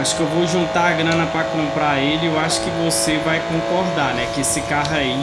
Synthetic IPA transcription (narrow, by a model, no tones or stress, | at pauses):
aʃʊ̥kɪewvowʒũnt̪aaɡɾɐ̃nɐpɾakɐ̃w̃pɾaelɪewaʃʊ̥kɪvosevajkõkɔɾd̪anɛkɪesɪkaɦɐi